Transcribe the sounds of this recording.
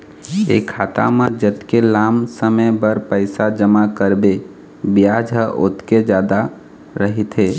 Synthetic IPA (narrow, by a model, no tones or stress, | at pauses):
ḛkʰːat̪a̰mãd͡ʒət̪kelamsəməjbəɾpəɪsad͡ʒəmakəɾbe | bijad͡ʒɦəʔo̰t̪ked͡ʒjad̪a | ɾəɦit̪ɦe